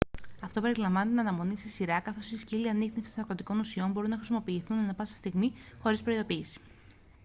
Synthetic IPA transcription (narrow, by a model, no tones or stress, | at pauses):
ɐft̪o̞pe̞ɾilɐɱvɐnit̪inɐnɐmo̞nissiɾɐkɐθo̞sisciliɐniɣnefsi̥soɐkɾot̪iko̞nusio̞mbo̞ɾunɐxɾisimo̞piːθunɐnɐpɐsi̥st̪iɣmixo̞ɾispɾo̞iðo̞piːsi̥